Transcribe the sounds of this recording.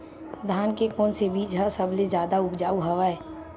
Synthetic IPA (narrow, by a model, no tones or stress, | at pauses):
d̪ʱaːnkekɔːnsebiːt͡ʃɦəsəbled͡ʒjaːd̪aʊpd͡ʒaːuɦɐʋaɛː